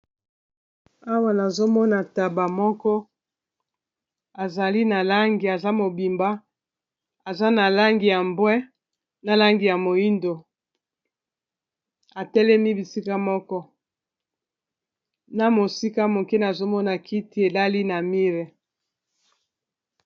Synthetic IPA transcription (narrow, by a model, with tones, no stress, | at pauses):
a˦wa˦na˨zo˦mɔ˦na˨ta˨ba˨mɔ˦kɔ˦ | a˨za˨li˦na˨la˦ŋɡi˨a˨za˦mo˨bi˨mba˦ | a˨za˦na˨la˦ŋɡi˨ja˨mbwɛ˦ | na˨la˦ŋɡi˨ja˨mo˨i˦ndo˨ | a˨tɛ˦lɛ˦mi˦bi˨si˦ka˦mɔ˦kɔ˦ | na˨mo˨si˦ka˦mo˨ke˦na˨zo˦mɔ˦na˨ki˦ti˨˦e˨la˦li˦na˨mi˦ʁɛ˨